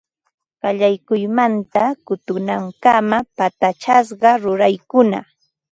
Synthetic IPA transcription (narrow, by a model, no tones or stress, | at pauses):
ɢ̥ɑʎajkʊjmant̪akʊt̪ʊnaŋkamapat̪at͡ʃas̬ɢɑɾʊɾajkʊna̰